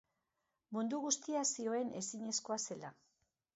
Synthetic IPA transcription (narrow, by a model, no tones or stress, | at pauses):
mund̪uɣust̪iasio̞e̞ne̞siɲe̞sko̞ase̞la